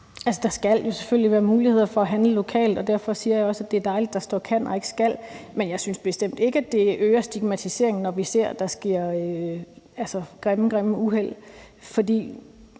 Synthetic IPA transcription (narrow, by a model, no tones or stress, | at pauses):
ælsəd̥ɑ̈sɡ̥æl̰jo̝seføl̰liʋæːɐmuːlihe̝ð̰ˠɐfɒ̽æɦænləlo̝kʰɛ̰ːld̥ɒ̽d̥æɐ̰fɒ̽siːɐjɑ̈ɪɒ̽sæd̥eæɐd̥ɑ̈ɪlid̥ːɑ̈sd̥ɒ̰ːkʰæn̰ɒ̽e̝ɡ̥ə̥sɡ̥æl̰menjɑ̈ɪsynsb̥e̝sd̥em̰d̥e̝ɡ̥əæd̥e̝ʔøːɐsd̥iɡ̥̚mæt͡sʰise̝̰ɐ̰e̝ŋn̩nɒʋise̝ɐ̰d̥ɑ̈sɡ̥e̝ɐ̰ | ælsəɡ̥ʁɛm̩ɡ̥ʁɛm̩uɦel̰ | fɒ̽d̥ḭː